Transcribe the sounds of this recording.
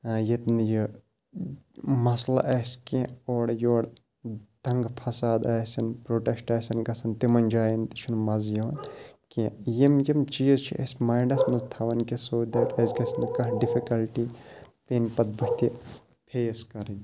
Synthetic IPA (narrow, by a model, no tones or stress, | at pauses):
jet̪nji | mɐslɐ̰ʔɐskẽoːɽjoːɽ | t̪ɐŋɡpʰɐsaːd̪ɐːsɐnpɾoːʈesʈɐːsɐnɡɐsɐnt̪imɐnʲd͡ʒaːjɐnt̪i̥t͡ʃʰunmɐzjɐʋɐnkẽjimjimt͡ʃiːzt͡ʃʰḭʔɐ̰smajɳɖɐsmɐzt̪ʰɐʋɐnkesoːd̪ɐʈɐzɡɐsnɨkɐɦɖifʰikɐlʈipeːnpɐt̪̚bɐht̪i | pʰeːskɐɾinʲ